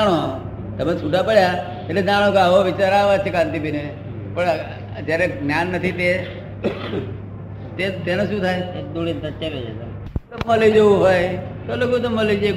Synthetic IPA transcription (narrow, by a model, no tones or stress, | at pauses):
ɽ̃o | t̪əmet͡ʃʰuʈapəɽja | t̪etled͡ʒaɽ̃okeaɦoʋɪt͡ʃaɾaʋat͡ʃʰekãnt̪ibine | pəɳ | d͡ʒeɾeɡnjanːət̪ʰit̪e | t̪et̪enoʃũt̪ʰajd̪uɽint̪ət͡ʃeʋed͡ʒes | əmːəlid͡ʒoʋũɦoj | t̪olokot̪əmːəlid͡ʒe